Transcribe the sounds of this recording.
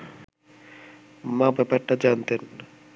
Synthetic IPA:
mabɛpaɾʈad͡ʑant̪en

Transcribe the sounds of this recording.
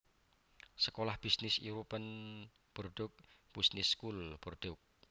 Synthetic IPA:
səkolahb̥isnɪsiɾupən | b̥ɔrɖ̥ʊk̚b̥isnɪskulb̥ɔrɖ̪̥ʊk̚

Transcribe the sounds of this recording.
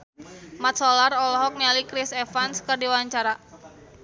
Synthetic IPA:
mat̪̚sɔlarɔlɔɦɔk̚nɛlikɾisɛfanskərdiwaɲt͡ʃaɾa

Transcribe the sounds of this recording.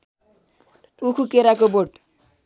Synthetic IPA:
ukʰukeɾakoboʈ

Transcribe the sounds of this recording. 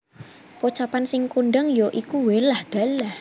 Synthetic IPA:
pot͡ʃapansɪŋkuɳɖəŋjɔʔikuwelahd̪̥a̤lah

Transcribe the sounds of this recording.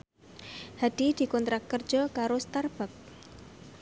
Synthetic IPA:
had̥i̤d̪̥i̤kɔnt̪ɾakːər̥d͡ʒ̥ɔkaɾost̪arb̥ak̚

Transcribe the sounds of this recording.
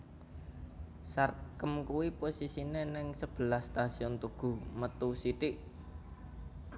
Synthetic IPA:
sarkəmkuwiposisinenɪŋsəb̥ə̤lahst̪asiɔnt̪uɡ̥ṳmət̪usit̪iʔ

